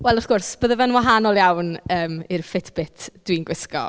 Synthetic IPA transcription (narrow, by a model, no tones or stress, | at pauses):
wɛlˠʊθɡ̥ʊrsb̥əːðəvənwaɦanɔlˠjawnəːmɪrfɪtʰb̥ɪtʰd̥winɡwɪskɔ̰